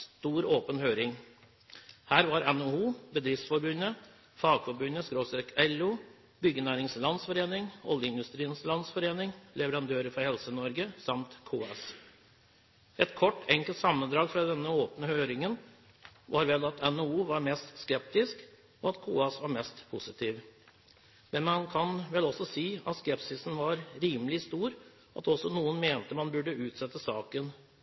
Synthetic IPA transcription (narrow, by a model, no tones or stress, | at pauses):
st̪uːɾoːpənhøːɾɪŋ | hæːɾʋɑɾɛnouːbəd̪ɾɪfsfɔɾbʉnə | fɑːɡfɔɾbʉnːəskɾoːsɛkɛlu | bʏɡːənæːɾɪŋslɑnsfɔɾeːnɪŋɔ̰ljəɪnd̪ʉst̪ɾiːənslɑnsfɔɾeːnɪŋlɛʋəɾɑnd̪ʰøːɾəfɔɾhɛlsənɔɾɡəsɑmt̪kʰuːɑs | ʔɛt̪kʰɔʈːɛŋkəlt̪sɑmːənd̪ɾɑːɡfɾɑd̪ɛnːəoːpnəhøːɾɪŋən | ʋʔɑɾʋɛlɑt̪ʰɛnouːʋɑɾmɛst̪skɛp̚t̪ɪsk | ɔɑt̪kʰuːɑsʋɑɾmɛst̪pʰʊsɪt̪ʰiːʋ | mɛnmɑnkʰɑnʋɛlɔsɔsiːɑt̪skɛpsɪsn̩ʋɑɾɾiːməlɪst̪uːɾ | ʔɑ̰t̪ɔsːɔnuːənmeːnt̪əmɑnbʉɖəʉːt̪sɛt̪ːəsɑːkən